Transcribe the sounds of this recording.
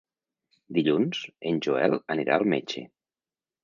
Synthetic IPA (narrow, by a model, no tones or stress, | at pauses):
d̪iʎunz̥enʲʒuɛləniɾʔa̰əlˠmet͡ʃḛ